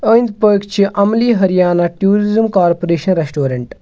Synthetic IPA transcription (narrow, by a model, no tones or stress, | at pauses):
əːnd̪pəːkt͡ʃʰiʔɐmliːɦɐɾijaːnaʈjuːɾizimkaːɾpoɾeːʃɐnɾesʈoːɾɐɳʈ